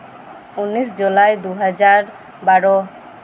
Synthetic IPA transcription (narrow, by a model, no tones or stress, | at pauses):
unːisd͡ʒulajd̪uɦad͡ʒaɾ | baɽɔ